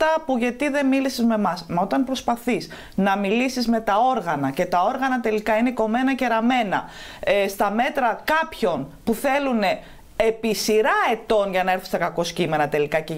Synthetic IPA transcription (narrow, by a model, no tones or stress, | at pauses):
t̪ɐpuʝɐt̪iðe̞milisizme̞mɐsmɐo̞t̪ɐnpɾo̞spɐθis | nɐmilisizme̞t̪ɐo̞ɾɣɐnɐce̞t̪ɐo̞ɾɣɐnɐt̪e̞likɐine̞ko̞me̞nɐce̞ɾɐme̞nɐ̰est̪ɐme̞t̪ɾɐkɐpço̞npuθe̞lune̞ | episiɾɐe̞t̪o̞nʝɐnɐeɾθu̥st̪ɐkɐko̞scime̞nɐt̪e̞likɐce